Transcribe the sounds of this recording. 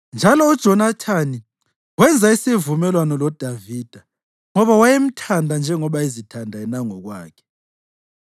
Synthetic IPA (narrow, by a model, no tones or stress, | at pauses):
nd͡ʒʱalɔud̥ʒ̥ʱɔnatʰani | wɛnd͡zʱaisivumɛlwanɔlɔd̥ʱavid̥ʱa | ŋɔβawajem̩tʰandʱand͡ʒʱɛŋɔβaizitʰandʱaɛnaŋɔɣwaːkʰɛ̥